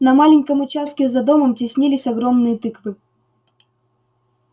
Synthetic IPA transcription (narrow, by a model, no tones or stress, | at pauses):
nɐmalʲɪnʲkəmʊt͡ɕast̪̚kʲɪzɐd̪o̞məmtʲɪsʲnʲilʲɪsʲɐɡɾo̞mnɨjət̪ɨkvɨ